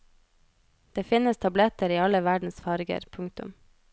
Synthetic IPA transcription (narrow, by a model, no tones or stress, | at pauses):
d̪̥eːfɪnəst̪ʰɑblɛt̪əɾiːɑləʋæɖn̩sfɑɾɡə̰ɾpʰʊŋk̚t̪ʊ̰m